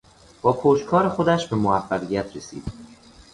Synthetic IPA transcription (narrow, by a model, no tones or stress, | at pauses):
b̥ɒːpʰoːd͡ʒkʰɒːɾexo̞d̪æʃbe̞moæfːæɣijæt̪ʰɾesḭːd̪